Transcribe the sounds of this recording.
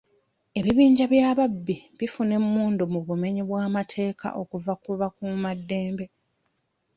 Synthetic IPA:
e̞βiβiːɲɟaβjaːβabːiβifune̞mːuːndumuβume̞ɲiβwaːmatʰe̞ːkʰa̰ʔo̞kuvakuvakumadːe̞ːmbe̞

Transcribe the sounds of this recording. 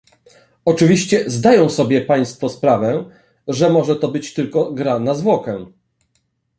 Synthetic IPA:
ɔt͡ʂɘvʲiɕt͡ɕɛzd̪ajɔ̃w̃sɔbʲjɛpaj̃st̪fɔspɾavɛ | ʐɛmɔʐɛt̪ɔbɘt͡ɕt̪ɘlkɔɡɾanazvwɔkɛ

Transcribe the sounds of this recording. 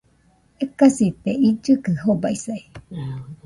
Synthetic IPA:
ekasit̪eid͡ʒɨkɨhobaisai

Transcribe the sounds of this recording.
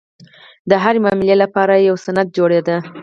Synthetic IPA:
d̪əɦaɾemɑmilelapɑɾajawsanad̪̚d͡ʒoɽed̪a

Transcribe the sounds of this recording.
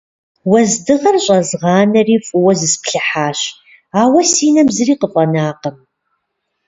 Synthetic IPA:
wɐzdɨʁɐrɕʼɐzʁɑːnɐriːfʼʊwɐzɨspɬɨħaːɕ | aːwɐsiːnɐmzɨriːqəfʼɐnaːqɐm

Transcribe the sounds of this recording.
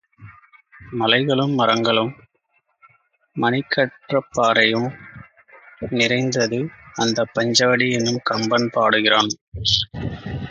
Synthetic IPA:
mɐlɐɪɣɐɭɯmːɐɾɐŋɡɐɭɯm | ɐnɪkʰːɐʈrɐpːaːɾɐjɯm | nɪrɐɪnd̪ɐðɯɐnd̪ɐpːɐɲd͡ʒɐʋɐɽiɛnːɯmkɐmbɐnpaːɽɯɣɪraːn

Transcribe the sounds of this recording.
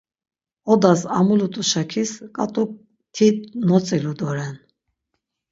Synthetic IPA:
ɔd̪asamulut̪ʼuʃakʰiskʼat̪ʼuk̚ | t̪ʰit̪̚nɔt͡sʼɛlud̪ɔɾɛn

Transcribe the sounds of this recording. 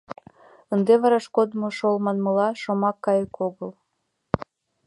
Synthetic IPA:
ənd̪eβɑɾɑʃkod̪moʃolmɑnmə̆lɑʃomɑkːɑjəkoɣəlˠ

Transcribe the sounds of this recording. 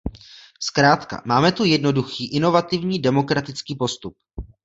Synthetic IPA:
skɾaːt̪ka̰maːmɛt̪ujɛdno̞duxiːʔɪno̞vat̪ɪvɲiːdɛmo̞kɾat̪ɪt͡skiːpo̞st̪up̚

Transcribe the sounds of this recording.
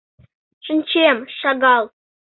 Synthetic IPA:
ʂə̆nʲt͡ɕemʃɑɡɑlˠ

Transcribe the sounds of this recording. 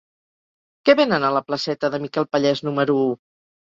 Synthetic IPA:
kɛβenənələpləsɛt̪əðəmikɛlˠpəʎɛznuməɾuu

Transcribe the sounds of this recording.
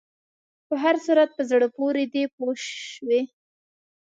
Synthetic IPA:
pəɦaɾsuɾat̪̚pəzɽəpoɾed̪epoʃʃwe

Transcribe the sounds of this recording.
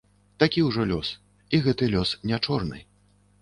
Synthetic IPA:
t̪akʲiwʐɔlʲɔs | iɣɛt̪ɨlʲɔsnʲat͡ʂɔrnɨ̰

